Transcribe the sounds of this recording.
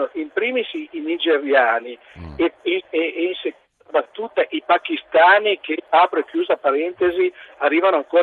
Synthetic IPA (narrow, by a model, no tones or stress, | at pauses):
oʔimpɾiːmisiinid͡ʒeɾjaːni | eeinsek | bat̪ːuːt̪aʔipakist̪aːnikʰeapɾoekːjuːzapaɾɛnt̪eziarːiːvanoaŋkoː